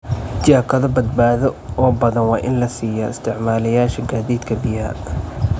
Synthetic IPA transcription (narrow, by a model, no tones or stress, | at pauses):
d͡ʒaːkʰɐðɔbɐd̪̚baːðɔʔɔːbɐðɐnwɑːʔɪ̰nlɐsiːjɐ̰ɪst̪ʰɪʕmaːlɐjaːʃɐɡaːðiːd̪kʰɐbɪja̰ː